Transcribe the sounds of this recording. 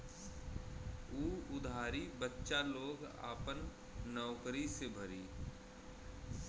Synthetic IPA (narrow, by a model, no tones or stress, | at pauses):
uːʊd̪ʱaːɾibətːʃaloːɡa̰ːpənː | ɔːkɾisebʱəɾiː